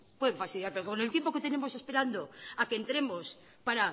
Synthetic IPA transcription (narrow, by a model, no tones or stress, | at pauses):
pweðeɱfasθiljaɾpeokonet̪jempo̞ke̞t̪e̞ne̞mo̞se̞spe̞ɾand̪oakent̪ɾe̞mo̞s | paɾa